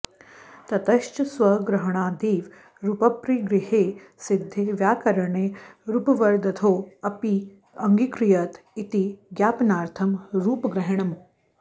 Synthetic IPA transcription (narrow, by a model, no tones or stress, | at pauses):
t̪ɐt̪ɐʃt͡ʃɐsʋɐɡɾɐɦɐɳ̃aːd̪iːʋ | ɾupɐpɾiɡɾɪheː | sɪd̪ʱːeːʋjaːkɐɾɐɳeːɾupɐʋɐɾd̪ɐt̪ʰoːɐpi | ɐŋɡikɾijɐt̪ | it̪iɡjaːpnaːɾt̪ʰɐmɾuːpɡɾɐɦɐɳ̃ɐm